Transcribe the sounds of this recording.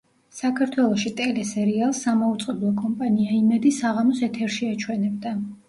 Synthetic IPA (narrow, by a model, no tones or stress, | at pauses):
sakʰaɾt̪ʰwɛlˠɔʃit̪ʼɛlɛsɛɾialˠsːamaut̪sʼqʼɛblˠɔkʼɔmpʼaniaimɛd̪isaʁamɔsɛt̪ʰɛɾʃiat͡ʃʰwɛnɛbd̪a